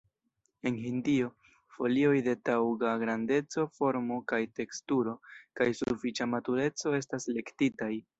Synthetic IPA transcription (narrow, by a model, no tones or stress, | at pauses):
e̞nɦindio̞ | fo̞lio̞jde̞tawɡaɡɾande̞t͡so̞fo̞ɾmo̞kajte̞kstuɾo̞kajsufit͡ʃamatuɾe̞t͡so̞e̞s̬tasle̞ktitaj